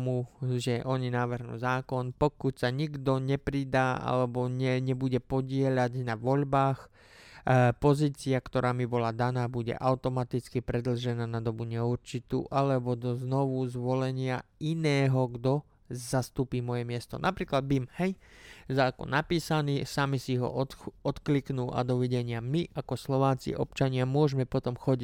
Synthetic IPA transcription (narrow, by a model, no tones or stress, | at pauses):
muʒɛʔɔɲinaːʋrɦnṵːzaːkɔnpɔkucsaɲiɡd̪ɔɲɛpɾid̪aːʔa̰lɛbɔɲɛɲɛbuɟɛpɔɟɪɛʎaɟnaʋɔʎbaːx | pɔziːt͡siakt̪ɔɾʔaːmibɔlad̪anaːbuɟɛ̰ʔaʊt̪ɔmat̪it͡skipɾɛd̪l̩ʒɛnaːnad̪ɔbuɲɛuɾt͡ʃit̪ṵːʔalɛbɔd̪ɔznɔʋuzʋɔlɛɲɪainɛːɦɔɡd̪ɔ | zast̪uːpiːmɔjɛmɪɛst̪ɔ̰nʔapɾiːklad̪̚bimhɛjzakɔ̰napiːsaniːsamisiɦɔ̰ʔɔɔt̪kliknuːʔa̰d̪ɔʋiɟɛɲɪamiʔakɔslɔʋaːt͡sḭʔɔpt͡ʃaɲɪamʊɔʒmɛpɔt̪ɔmxɔɟi